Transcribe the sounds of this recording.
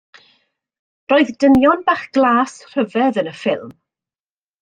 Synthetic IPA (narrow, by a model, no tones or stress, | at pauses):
roːɨðdənjɔnbaχɡ̥lˠaːsr̥əvɛðənəfɪlˠm